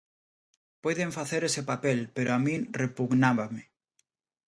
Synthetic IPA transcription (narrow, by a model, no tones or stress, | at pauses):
pɔjðeɱfaθeɾesepapelpeɾoamĩŋrepuɣnaβame